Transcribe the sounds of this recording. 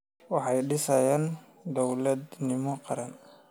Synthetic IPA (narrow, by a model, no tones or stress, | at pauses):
wɑħɑjɖɪsɐjaːn | d̪ɔwlɐd̪nɪmɔqɑɾɐn